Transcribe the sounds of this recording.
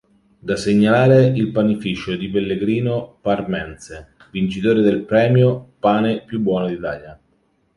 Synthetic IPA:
d̪aseɲːalaːɾeilpanifiːt͡ʃod̪ipelːeɡɾiːnoparmɛnse | vint͡ʃit̪oːɾed̪elpɾɛːmjopaːnepjubːwɔːnod̪it̪a̰ːlja

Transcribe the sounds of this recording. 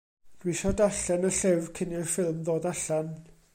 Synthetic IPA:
d̥wisɔdaɬɛnəɬɛvkʰɪnɪrfɪlˠmðoːdaɬan

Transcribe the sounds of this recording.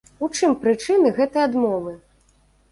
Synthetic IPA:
ut͡ʂɨmpɾɨt͡ʂɨnɨɣɛt̪ɐjad̪mɔvɨ

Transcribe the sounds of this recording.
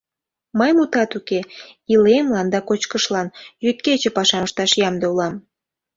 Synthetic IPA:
məjmut̪ɑt̪ukeilemlɑnd̪ɑkot͡ɕkəʃlɑnjyt̪̚ket͡ɕĕpɑʃɑʃt̪ɑʃjɑmd̪eulɑm

